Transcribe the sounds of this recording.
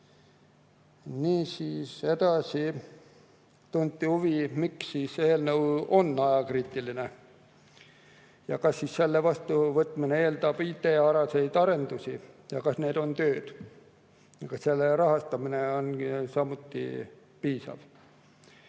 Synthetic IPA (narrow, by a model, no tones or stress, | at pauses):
niːsiːse̞d̪̥ɑsi | t̪unt̪ːˑihuvimiksːiːseeelnɤwo̞nːɑjɑkriːt̪ːˑiline | jɑkɑsːiːsːe̞lːevɑst̪uvɤt̪ːˑminee̞ːld̪ɑb̥iːt̪e̞ːɑɾɑse̞jd̪ɑɾe̞nd̪usʲijɑkɑsne̞ːd̪o̞nt̪øːd̪̥ | jɑkɑsse̞lːeɾɑɦɑst̪ɑmineo̞nsɑmut̪ːḭ | piːsɑ̰v̥